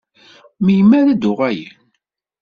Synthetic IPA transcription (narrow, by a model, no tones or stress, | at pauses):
mijəmːæɾæd̪ʊʁæjən